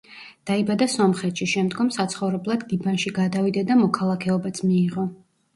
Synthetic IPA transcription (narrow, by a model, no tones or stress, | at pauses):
d̪̥aibad̪asɔmχɛt̪ʃiʃɛmd̪ɡɔmsat̪sʰχɔvɾɛblˠad̪ɡibanʃiɡad̪avid̪ad̪amɔkʰalˠakʰɛɔbat̪sʰmiːʁɔ